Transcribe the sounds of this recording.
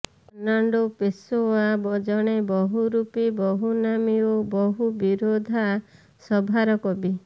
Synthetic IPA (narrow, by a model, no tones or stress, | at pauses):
naɳɖopesoabɔd͡ʒɔɽ̃ebɔɦuɾupibɔɦunamiobɔɦubiɾod̪ʱa | sɔbʱaɾɔkɔbi